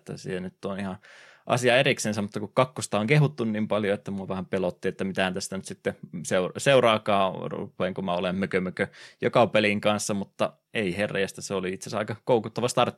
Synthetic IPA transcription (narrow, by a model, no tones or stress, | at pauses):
t̪ːæ̰sḭːenyt̪ːonihɑ | ʔɑ̰siɑeriksensæmmut̪ːɑkukkɑkːost̪ɑoŋkeɦut̪ːunniːmpɑljoet̪ːæmuɑʋæhæmpelot̪ːiet̪ːæmit̪æhænt̪æst̪ænyt̪sit̪ːeseurseurɑːkɑːrṵpˑeːˑŋkumæolemmøkømøkøjokɑpeliŋkɑnsːɑmut̪ːɑ | eiherːˑḛjæst̪æseoliit̪sesɑikɑkoukut̪ːɑʋɑst̪ɑrt̪ː